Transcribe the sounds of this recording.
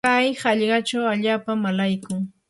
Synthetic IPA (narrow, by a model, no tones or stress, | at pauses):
ajhɑʎɢɑt͡ʃawaʎaːpamalajkʊŋ